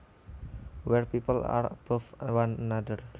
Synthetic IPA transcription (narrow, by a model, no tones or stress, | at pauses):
wɛrpipəla̰rb̥ofəwannadər